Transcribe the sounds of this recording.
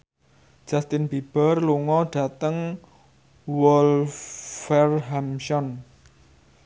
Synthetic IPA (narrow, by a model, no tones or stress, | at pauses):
d͡ʒ̥ast̪ɪnbib̥ərluŋɔɖ̥a̤t̪əŋ | wɔlfɛrɦamʃɔn